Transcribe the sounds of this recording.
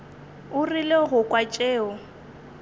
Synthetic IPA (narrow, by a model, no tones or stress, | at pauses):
ʊrileɣʊkʼwat͡ʃʼeːʊ